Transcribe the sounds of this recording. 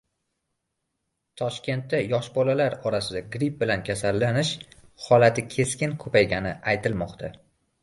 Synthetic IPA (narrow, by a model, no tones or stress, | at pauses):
t̪ʰɒʃkʲe̞nt̪ːajɒʃbɒlalaɾɒɾasɪd̪aɡɾip̚bɪlankʲʰasalːanɪʃhɒlat̪ʰɪkʲʰe̞skʲɪnkʰɵpajɡʲanɪajt̪ʰɪlmɒqt̪ʰa